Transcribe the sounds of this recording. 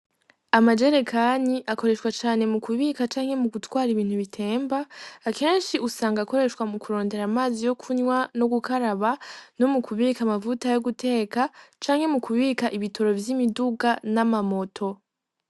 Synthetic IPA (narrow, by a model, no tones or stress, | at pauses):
amad͡ʒe̞ɾe̞kʰaniʔako̞ɾe̞ʃwat͡ʃaːne̞mukuβiːkat͡ʃaːŋhe̞muɡutwaːɾiβiːn̥huβitʰe̞ːmbaːke̞ːnʃiʔusaːŋɡako̞ɾe̞ʃwamukuɾo̞ːnde̞ɾaːmaːzijo̞kʰuɲwano̞ɡukaɾaβano̞mukʰuβiːkamavutajoɡutʰe̞ːkat͡ʃaːŋhe̞mukuβiːkaʔiβitʰo̞ɾo̞vjimiduɡanamamo̞tʰo̞